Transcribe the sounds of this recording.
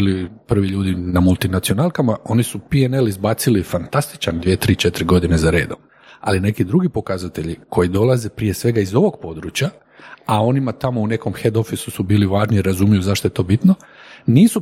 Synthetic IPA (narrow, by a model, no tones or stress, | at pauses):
ilipr̩ʋiʎuːd̪inamulˠt̪inat̪sio̞nalˠkamaʔo̞nisupiene̞lizbaːt̪silifant̪ast̪i̥t͡ʃand̪ʋiet̪ɾiːt͡ʃe̞t̪ɾiɡo̞d̪ine̞zaɾe̞̰ːd̪om | a̰line̞kid̪ɾuɡipo̞kazat̪e̞ʎikʰo̞jid̪o̞lˠaze̞pɾije̞sʋe̞ɡaizo̞ʋo̞ɡ̚po̞d̪ɾut͡ɕja | ao̞nimat̪amoune̞ko̞mxe̞d̪o̞fisusubiːliʋaːʒniiɾazuːmijuzaʃt̪ojet̪o̞ːbit̪no | niːsu